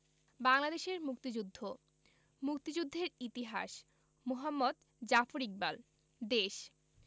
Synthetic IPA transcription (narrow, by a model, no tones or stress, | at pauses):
baŋlad̪eʃeɾmukt̪id͡ʑud̪ʱːo | muk̚t̪id͡ʑud̪ʱːeɾit̪iɦa̰ʃ | moɦamːod̪̚ | d͡ʑafoɾik̚ba̰l | d̪eʃ